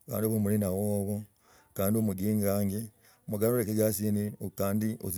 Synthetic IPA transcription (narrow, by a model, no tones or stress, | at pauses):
ka̰ːndiβomulinawoβo | kaːndiomuɡiːŋaːŋɡe | muɡaloɾekeɡasinikaːndiozi